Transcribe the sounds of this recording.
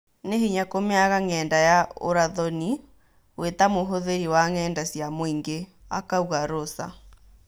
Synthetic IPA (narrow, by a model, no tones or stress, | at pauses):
nehiɲakomeaɣaŋɛːndajao̰ɾaðɔni | wetamoɦoðeɾiwaŋɛːndasjamoiŋɡe | a̰kauɣaɾosa